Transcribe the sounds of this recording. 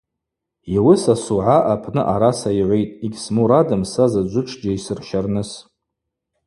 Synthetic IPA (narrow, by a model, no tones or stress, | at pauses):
iwɪsasuʕaʔapʰnɨʔaɾasaiʕʷejtʼiɡʲsmuɾadɨmsazad͡ʒʷʊʈ͡ʂʰd͡ʒaisɨrʃarnɨs